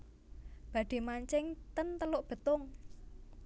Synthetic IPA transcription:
b̥ä̤ɖ̪̥i̤maɲt͡ʃɪŋt̪ənt̪əlʊʔb̥ə̤t̪ʊŋ

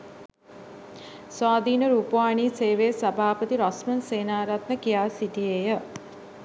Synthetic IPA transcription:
saːd̪ʱiːnəɾupowaːɳiseːʋeːsɐbʱaːpət̪iɾʌsmɐnseːnaːɾɐt̪nəkijaːsit̪ieːjə

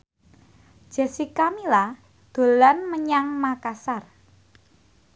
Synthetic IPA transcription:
ʒ̥a̤sikamila | d̪̥o̤lanməɲaŋmakasar

